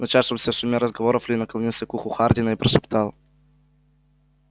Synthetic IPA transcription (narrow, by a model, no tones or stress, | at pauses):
nɐt͡ʃasomsɛsumʲɛɾəzɡovɔɾoflʲinɐklˠnisɛkuxʊxaɾd̪ʲinaipɾɛsupt̪alˠ